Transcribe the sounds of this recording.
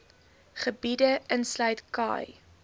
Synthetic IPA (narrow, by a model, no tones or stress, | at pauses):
χəbidəənslœɥtkɑ̰ːj